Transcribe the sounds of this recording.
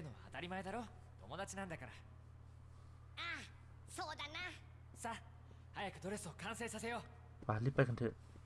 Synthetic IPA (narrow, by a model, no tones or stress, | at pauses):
ɯno̞βa̰ːt̪aɾʲimaed̪aɾo̞ | t̪o̞̰mo̞d̪at͡ɕinãnd̪akaɾa | a | soːd̪ana | sa | hajakɯ̟d̪o̞ɾe̞sɨo̞kãɰ̃se̞ːsase̞jo | βalːipːajkɯnt̪e